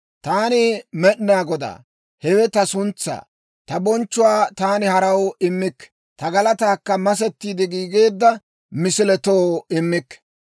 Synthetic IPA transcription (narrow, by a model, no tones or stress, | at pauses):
t̪aːnɪmɛɗnaːɡɔd̪a̰ː | hɛwɛt̪ɐsʊnt͡sːa̰ː | t̪ɐbɔnt͡ʃːʊwaːt̪aːnɪhɐɾɐwɪmːɪkː | t̪ɐɡɐlɐt̪aːkːɐmɐs̬ɛt̪ːiːd̪ɪɡiːɡe̞ːd̪ːɐ | mɪsɪlɛt̪oːɪmːɪkː